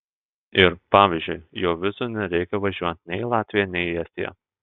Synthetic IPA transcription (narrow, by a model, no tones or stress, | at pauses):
ɪɾpɑːʋʲiːˑzʲd͡ʒʲʊɪjoːʋʲɪsuːnʲɛɾʲɛɪkʲɛʋɐʒʲuɔt̪t̪ʲnʲɛɪlˠɑːt̪ʲʋʲɪjɛnʲɛɪɛst̪ʲḭjɛ̰